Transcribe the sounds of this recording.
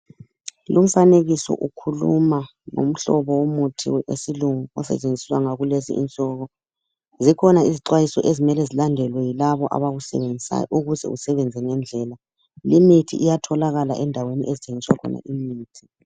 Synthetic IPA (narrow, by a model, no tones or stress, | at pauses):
lum̩faneɣisɔ̰ʔukʰulṵma | ŋo̰m̩ɬɔβɔwomutʰiḛsiluŋuɔsɛ̰t͡ʃʼend͡zʱiswaŋaɣulezḭʔḭnt͡sʼɔɣɔ | zikʰɔnaiziǃwajisɔ̰ʔezimɛlɛzilandʱɛlwɛjilaβɔʔa̰βaɣusɛβend͡zʱia̰jʔuɣuzɛ̰usɛβɛnd͡zʱɛŋɛnd͡ɮʱɛla | limitʰḭʔijatʰɔlaɣalaʔɛndʱaweniʔezit͡ʃʼeŋiswakʰɔ̰na̰ʔimiːtʰi̥